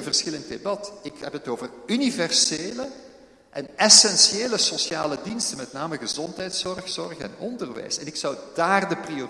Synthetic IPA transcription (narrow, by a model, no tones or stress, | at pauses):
nvərsxɪlənt̚debɑtɪkɦɛpɦətoːvərynivɛrseːlə | ʔɛnɛsɛnsieːləsosjaːlədinstənmɛtnaːməɣəzɔntɦɛjtsɔrxsɔrxɛ̰nɔndərʋɛ̰jsɛnɪksɑwdaːrdəprio